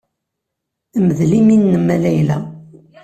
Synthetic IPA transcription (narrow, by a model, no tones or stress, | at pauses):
məðliminːəmælæjlæ